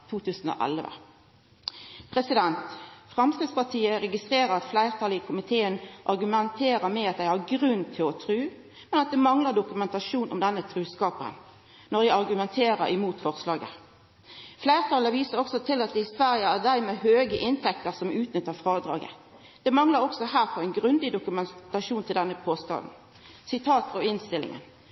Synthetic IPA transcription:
t̪ʰuːt̪ʰʉːsn̩o̰ːʔɛ̰lʋə̰ | pʰʁɛsɪd̪ɛnt̪fʁɑmskɪd̪spɑʁʈʰiːəɾɛɡɪst̪ʁeːʁəɾɑt̪flæɪʁt̪ʰɑːləɪkʰʊmɪt̪ʰeːənʔɑʁɡʉmɛnt̪ʰeːɾəmɛɑt̪̚d̪æɪhɑʁɡɾʉnːt̪ʰɪlɔt̪ʰʁʉː | mɛnɑt̪̚d̪ɛmɑŋləʁd̪ʊkʉmɛnt̪ɑʃuːnʔʊ̰md̪ɛnːət̪ʰɾʉːskɑːpə̰n | nɔɾjæɪɑʁɡʉmɛnt̪ʰeːɾəɾɪmuːt̪fɔʁslɑːɡə̰ | flæɪʁt̪ʰɑləʋiːsəʁɾɔksɔt̪ʰɪlɑt̪̚d̪ɛɪsʋæʁjəæʁd̪æɪmeːhøːɡəʔɪnt̪ʰɛkt̪əɾsɔmʉːt̪nʏt̪ːəɾfʁɑːd̪ɾɑ̰ːɡə̰ | d̪̥ɛmɑŋləɾɔksɔhæːʁfɔʁæɪnɡʁʉnd̪ɪd̪ʊkʉmɛt̪ɑʂuːnt̪ʰɪld̪ɛnːəpʰoːst̪ɑ̰ːd̪n̩ | sɪt̪ʰɑːt̪fɔɪnst̪ɪlːɪ̰ŋə̰n

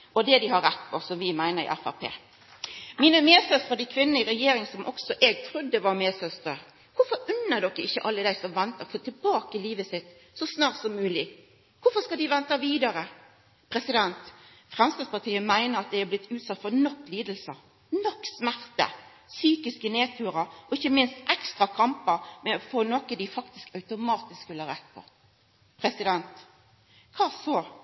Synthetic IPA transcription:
ʔɔd̪ɛd̪ɪhɑɾɛt̪ːfɔsɔmʋɪmæɪnəɾɪ̰ʔæ̰fæ̰pʰḛː | miːnəmeːsœst̪ʁəd̪ɪkʰʋɪnːnəɪɾɛjeːɾɪŋsɔmʔɔksɔʔɛɡ̚t̪ʰɾʉd̪ːəʋɑɾmeːsœst̪ɾəɾ | kʊfɔɾʉnːəd̪ɔkːəɪçːəʔɑlːəd̪æɪsɔmʋɛnt̪əfot̪ʰɪlbɑːkəɪliːʋəsɪt̪ | sɔsnɑːʁʈ̪sɔmːʉːlɪ | kʊfɔskɑd̪ɪʋɛnt̪ɑʋiːd̪ɑɾə | pʰɾɛsɪd̪ɛnt̪ | fʁɛmst̪ɑːspɑʁt̪ʰiːəmæɪnəɾɑt̪̚d̪æɪhæblɪt̪ʰːʉːt̪sɑt̪ːfɔɾnɔkːliːd̪əl̩sə | nɔkːsmæʁt̪ə̰ | syːkɪskəneːt̪ʰʉːɾəɔɪçːəmɪnst̪ʔɛkst̪ʁɑkʰɑmpəɾmɛɔfoːnɔkəd̪ɪfɑkt̪ɪskɑʉt̪ʊmɑːt̪ɪskʋɪlːəɾɛt̪̚ːpʰɔ̰ | pʰɾɛsɪd̪ɛnt̪ | kʰɑːsoː

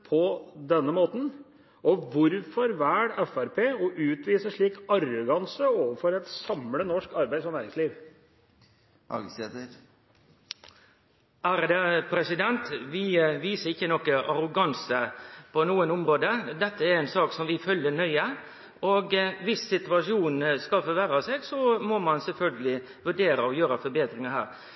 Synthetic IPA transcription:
pʰɔd̪ɛnːəmoːt̪n̩ | ʔɔʋʊɾfɔɾʋæːɽɛfæɾpʰeːɔʔʉːt̪ʋiːsəʂɭiːkɑɾʊɡɑnsəoːʋəɾfɔɾɛt̪sɑmlənɔʂkɑɾbæɪd̪sɔnæːɾɪŋsliːʋ | set̪ | æɾd̪ɛpʰɾɛsɪd̪ɛnt̪ʋɪʋiːsəɾɪçːənɔkːəʔɑɾʊɡɑnsəpʰɔnuːənʊmɾoːd̪əd̪ɛt̪ːəæɾɛɪnsɑːksɔmʋɪfœlːənœʏə | ɔɡʋɪsːɪt̪ʉʋɑʂuːnskɑfɔɾʋæɾɑseːɡsɔmɔmɑnsɛlfœlɡəlɪ | ʋʉɖeːɾəɔjøːɾəfɔɾbeːd̪ɾɪŋɑɦæːɾ

